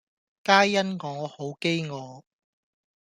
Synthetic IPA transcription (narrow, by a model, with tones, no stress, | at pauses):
kaː˥jjɐ˥nŋɔː˨˧ho˨˥wke˥jŋɔː˨˧